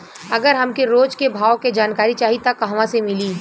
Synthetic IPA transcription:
ɐɡəɾɦɐmkeɾoːd͡ʒkebʱaːwked͡ʒaːnkaːɾit͡ʃaːɦit̪akɐɦʋãsemɪliː

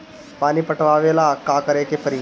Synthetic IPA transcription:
paniːpəʈʋaʋelakakəɾekepəɾi

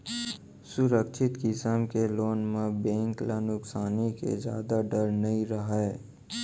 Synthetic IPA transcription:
sʊɾəkt͡ʃʰɪt̪kɪsəmkeloːnmẽbẽːŋklanʊksaːnikḛd͡ʒja̰ːd̪aɖəɾnɐĩɾəɦɛː

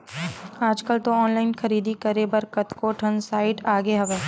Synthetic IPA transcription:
aːd͡ʒkəlt̪oɔːnlaːɪnxɐɾiːd̪ʱikəɾebɐɾkət̪koːʈʰənsaːɪʈaːɡeɦɐʋeː

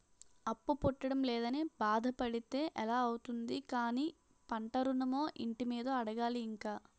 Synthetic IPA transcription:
ɐpːupɔʈːɐɽɐmlɛːd̪ɐnibaːd̪ʱɐpɐɽit̪e̞ːʔɛlaːɐwut̪und̪ikaːniː | pɐɳʈɐɾunɐmoːʔiɳʈimiːd̪oːɐɽɐɡaːliːŋkaː

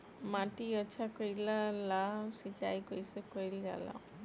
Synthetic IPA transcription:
maʈiɔt͡ʃʰakɔjlalasit͡ʃa̰jkojsekojlɡa̰la̰

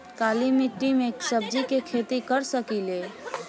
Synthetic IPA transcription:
kalimiʈimeksəb̚d͡ʒikekʰet̪ikəɾsəkile

